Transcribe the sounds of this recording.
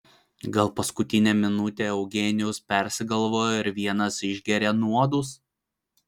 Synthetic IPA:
ɡɐlˠpɐskʊt̪ʲɪnʲɛːmʲɪnʊt̪ʲeːɛʊɡʲenʲɪjʊspʲɛɾʲsʲɪɡɐlˠʋoːjoːɪɾʲʋʲiɛnɐsɪʒʲɡʲɛɾʲenuɔd̪ʊs

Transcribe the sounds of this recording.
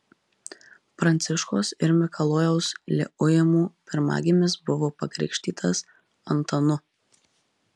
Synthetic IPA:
pɾɐnʲt̪sʲɪʃkoːsɪɾmʲɪkʰɐlˠoːjɛʊslʲɛ̰ʔʊjɛmuːpʲɪɾmɑ̰ːɡʲɪmʲɪsbʊʋoːpɐkɾʲɛ̰ɪkʃʲt̪ʲiːt̪ʰɐs | ɐ̰nt̪ɐnʊ

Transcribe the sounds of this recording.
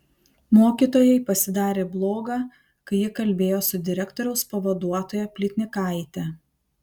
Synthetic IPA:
moːkʲiːˑt̪oːjɛɪpɐsʲɪd̪ɑːɾʲeːblˠoːɡɑː | kɐɪjɪkɐlʲbʲeːjoːsʊd̪ʲɪɾʲɛkt̪oːɾʲɛʊspɐʋɐd̪uɔt̪oːjɛpʲlʲɪt̪ʲnʲɪkɐˑɪt̪ʲɛ

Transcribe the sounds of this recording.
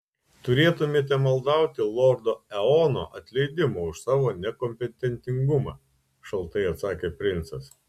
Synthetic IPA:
t̪ʊɾʲeːt̪ʊmʲeːt̪ʲɛmɐlˠd̪ɐˑʊt̪ʲɪlˠoːɾd̪oːɛoːno̰ːʔɐt̪ʲlʲɛɪd̪ʲɪmoːʊʃsɑːʋoːnʲɛkɔmʲpʲɛt̪ʲɛnʲt̪ʲɪŋɡʊmɑː | ʃɐlˠt̪ɐɪɐt̪sɑːkʲeːpʲɾʲɪnt̪sɐs

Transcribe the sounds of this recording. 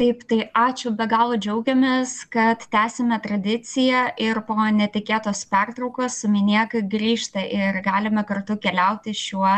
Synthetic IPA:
t̪ɐɪpt̪ɐɪʔɑːt͡ʃʲʊbʲɛɡɑːlˠod͡ʒʲɛʊɡʲɛmʲeːskɐt̪t̪ʲæːsʲɛmʲɛt̪ɾɐd̪ʲɪt̪t͡s̪ʲɪjɛɪrpoːnʲɛt̪ʲɪkʲeːt̪oːspʲɛrt̪ɾɐʊkoːssʊmʲɪnʲiɛkɐɡɾʲiːʃt̪ɐʔɪrɡɑːlʲɪmʲɐkɐrt̪ʊkʲɛlʲɛʊt̪ʲɪʃʲuɔ

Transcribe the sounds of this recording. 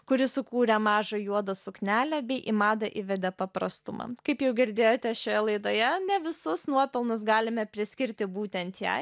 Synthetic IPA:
kʊɾʲɪsʊkuːɾʲɛmɑːʒɐjuɔd̪ɐsʊknʲæːlʲɛbʲɛɪʔimɑːd̪ɐʔiʋʲɛd̪ʲɛpɐpɾɐst̪ʊmɐ̰kɐɪpjɛʊɡʲɪɾʲd̪ʲeːjoːt̪ʲɛʃʲoːjɛlˠɐɪd̪oːjɛnʲɛʋʲɪsʊsnuɔpʲɪlˠnʊs̬ɡɑːlʲɪmʲɛpʲɾʲɪsʲkʲɪɾʲt̪ʲɪbuːt̪ʲɛnt̪jɛ̰ɪ

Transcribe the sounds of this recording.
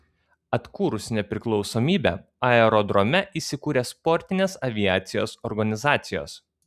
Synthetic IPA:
ɐt̪kuːɾʊsnʲɛpʲɾʲɪklˠɒʊsoːmʲiːbʲɛ̰ː | ɐɛɾɔd̪ɾɔmʲɛʔiːsʲɪkuːɾʲeːspɔɾʲt̪ʲɪnʲeːsɐʋʲɪæːt̪sʲɪjo̰ːsɔɾɡɐnʲɪzɑːt̪sʲɪjo̰ːs

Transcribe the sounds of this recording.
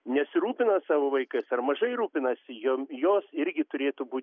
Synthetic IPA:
nʲɛsʲɪɾuːpʲɪnɐsɑːʋoːʋɐɪkɐsɐrmɐʒɐɪɾuːpʲɪnɐsʲɪjoːmjoːsɪɾʲɡʲɪt̪ʊɾʲeːt̪ʊbuːt̪ʲ

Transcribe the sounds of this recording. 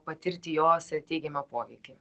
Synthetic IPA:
pɐt̪ʲɪɾʲt̪ʲɪjoːsʲɛt̪ʲɛɪɡʲɛmɐpoːʋʲɛɪkʲɪ

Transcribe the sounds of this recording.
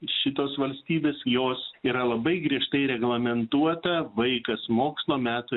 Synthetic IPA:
ʃʲɪt̪oːsʋɐlʲsʲt̪ʲiːbʲeːsjoːsiːɾɐlˠɐbɐɪɡɾʲiɛʃt̪ɐɪɾʲɛɡlˠɐmʲɛnt̪uɔt̪ɐʋɐɪkɐsmoːkslˠoːmʲæːt̪ʊ

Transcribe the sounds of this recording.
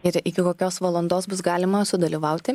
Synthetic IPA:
ɪɾɪkʲɪkoːkʲoːsʋɐlˠɔnd̪oːsbʊsɡɑːlʲɪmɐsʊd̪ɐlʲiːʋɐʊt̪ʲɪ

